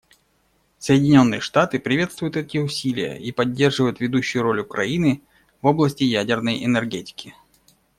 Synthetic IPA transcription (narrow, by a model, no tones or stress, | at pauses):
səjɪdʲɪnʲo̞nːɨjəʂt̪at̪ɨpɾʲɪvʲe̞t̪st̪vʊjʊt̪ɛtʲɪʊsʲilʲɪjə̰ʔipɐdʲːe̞rʐɨvəjʊt̪vʲɪd̪uɕːʊjʊɾo̞lʲʊkɾɐ̰inɨ | vo̞blˠəsʲtʲɪjædʲɪrnəjʔɛnɛrɡʲetʲɪ̥kʲɪ